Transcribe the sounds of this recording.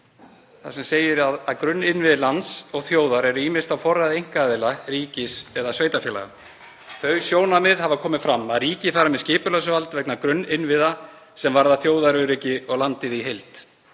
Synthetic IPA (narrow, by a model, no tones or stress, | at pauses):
θa̰sɛmseːjɪɾaðaðkɾʏnːɪnvɪðlant̪sɔɣθjoːwðaɾɛɾʏiːmɪ̥st̪awfɔraðɪejŋ̥kaːðɪlaɾiːcɪsɛðasveːjt̪afjɛla̰ɣa̰ | θœɥsjoːwnamɪðhavakʰɔːmɪfɾamːaðɾiːcɪfaɾamɛðscɪːpʏlœsʏvalt̪vɛknakɾʏnːɪnvɪða | sɛmvaɾðaθjoːwðaɾʏɾiːcɪɔɣlant̪ɪðiɦejlt̪